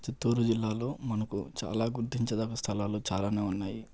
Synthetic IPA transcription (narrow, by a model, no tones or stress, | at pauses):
t͡ʃit̪ːuːɾud͡ʒilːaːlo̞ːmɐnɐkṵt͡ʃa̰ːlaːɡuɾt̪iɲt͡ʃɐd̪aːkɐst̪ʰɐlaːloːt͡ʃaːlaːne̞ːunːaːji